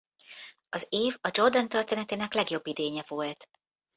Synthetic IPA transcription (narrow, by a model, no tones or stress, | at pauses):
ɒzeːvɒd͡ʒo̞rd̪ont̪ørt̪eːnɛt̪eːnɛklɛɡjo̞bːid̪eːɲɛvo̞lt̪